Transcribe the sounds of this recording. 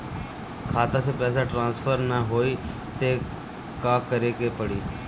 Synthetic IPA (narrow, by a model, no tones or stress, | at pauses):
kʰaːt̪at̪ʰeːpɛːs̬aːʈɾãːnspʰəɾnaɦoːiː | t̪eː | kaːkəɾeːkeːpəɽiː